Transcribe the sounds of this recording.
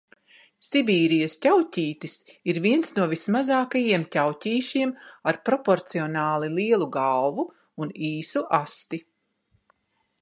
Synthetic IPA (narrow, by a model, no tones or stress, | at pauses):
sibiːɾijɐstʲawcʲiːt̪isiɾviɛnsnuɔvismazaːkajiɛmcʲawcʲiːʃiɛmaɾpɾɔpɔɾt̪siɔnaːlˠilˠiɛlˠuɡalˠvuː | niːsuʔast̪i